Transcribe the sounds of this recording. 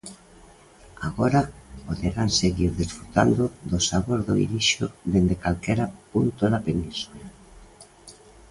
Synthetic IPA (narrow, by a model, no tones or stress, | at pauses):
aɣoɾapoðeɾanseɣiɾðisfɾut̪a̰nd̪ʊðosaβoɾðo̰ḭliʃoðend̪ekalkɛɾapunt̪oðapenĩnsula